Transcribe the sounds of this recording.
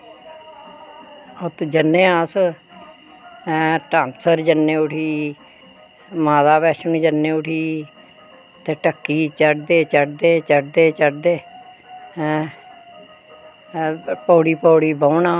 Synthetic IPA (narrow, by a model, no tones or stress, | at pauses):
ʊt̪d͡ʒənːeːas | ʈãːnsəɾd͡ʒənːeːʊʈʰiː | maːd̪aːbɛːʃənũːd͡ʒənːeːʊʈʰiː | t̪eːʈəkːiːt͡ʃəɖd̪eːt͡ʃəɖd̪eːt͡ʃəɖd̪eːt͡ʃəɖd̪eː | poːɽiːpoːɽiːbəːnãː